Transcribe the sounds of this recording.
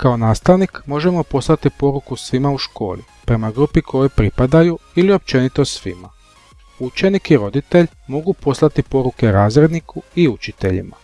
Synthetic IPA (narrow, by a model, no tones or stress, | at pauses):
kao̞naːst̪aʋnikmo̞ʒe̞mo̞po̞slˠat̪ipo̞ɾukusʋimauʃko̞̰ːli | pɾe̞maɡɾupikʰo̞jojpɾipad̪ajuilio̞p̚t͡ʃe̞nit̪o̞sʋima | ut͡ʃe̞nikiɾo̞d̪it̪e̞ʎ | mo̞ɡupo̞slˠat̪ipo̞ɾuke̞ɾaːzɾe̞d̪nikuiut͡ʃit̪e̞ʎḭma